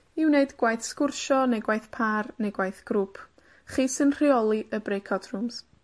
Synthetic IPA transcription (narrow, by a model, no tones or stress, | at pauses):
ɪwneɨdɡ̥wajθskʊrʃɔnejɡwajθpʰarnejɡwajθɡ̥ɾʊpʰ | χiːsɨnr̥iɔlˠiʔəbɾejkʰɔdʰrʊms